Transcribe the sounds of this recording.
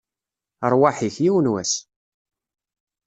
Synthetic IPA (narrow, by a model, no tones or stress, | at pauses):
əɾˤwaħiçjiwənwæs